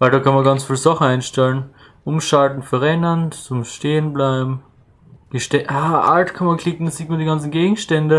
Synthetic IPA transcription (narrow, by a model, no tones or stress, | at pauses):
vaɪldaːkʰanmɐɡant͡sfiːlzɔχəaɪnʃtɛlən | ʔʊmʃaltn̩fyːɐʁɛnɐnt͡sʊmʃteːənblaɪbm̩ | ɡ̥əʃtɛaːʔa̰ltkʰanmankʰl̥ɪkŋ̩dəsz̥iːtmaɐndiːɡant͡sn̩ɡeːɡŋ̩ʃtɛndə